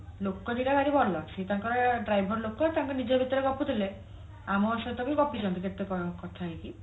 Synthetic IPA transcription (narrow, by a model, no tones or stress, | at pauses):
lokːɔniɾabʱaɾibʱɔlɔaɡt͡ʃʰit̪aŋkɔɾaɖɾajbʱɔɾlokɔt̪aŋkɔnid͡ʒɔbʱit̪ɔɾeɡɔput̪ʰile | amɔːsɔt̪ɔkliɡɔpit͡ʃɔnt̪ikʰet̪ːekɔkɔt̪ʰaiki